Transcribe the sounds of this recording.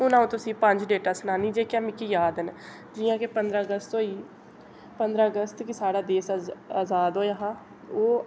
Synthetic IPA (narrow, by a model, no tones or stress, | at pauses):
ʊnãːũːt̪ʊsĩːpəɲd͡ʒɖeːʈaːsnaːniːd͡ʒeːkjãːmɪkiːjaːd̪ən | d͡ʒiːjãːkepənd̪ɾaːəɡəst̪ɦoːiː | pənd̪ɾaːəɡəst̪kɪsaːɽaːd̪eːsaːzaːd̪ɦoːjaːɦãː | oː